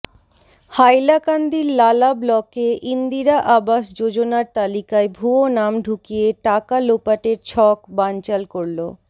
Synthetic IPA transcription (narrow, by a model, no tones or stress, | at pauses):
hajlakand̪iɾlalablɔkeʔind̪iɾaʔabaʃd͡ʑod͡ʑonaɾt̪alikaebʱuonamɖʱukijeʈakalopaʈeɾt͡ɕʰɔkbant͡ɕalkoɽlo